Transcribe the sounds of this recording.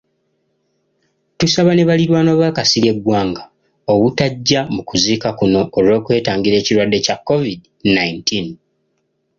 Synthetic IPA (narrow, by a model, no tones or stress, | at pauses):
tusaβane̞βaliɾwaːnoβakasiɾje̞ɡwaːŋɡa | oβutaɟːamukuziːkakuno̞ːlo̞ːkwe̞ːtaːŋɡiɾe̞ːciɾwadːe̞cakːo̞vid | naintin